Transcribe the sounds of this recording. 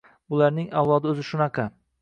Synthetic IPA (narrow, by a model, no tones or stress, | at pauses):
bʊlˠaɾnɪŋawlˠɒd̪ɪɵzɪʃʊnɑqʰɑ